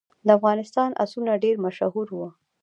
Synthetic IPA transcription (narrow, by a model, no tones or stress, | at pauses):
d̪əafɣɑnɪst̪ɑnʔa̰sunaɖeɾmaʃahuɾwə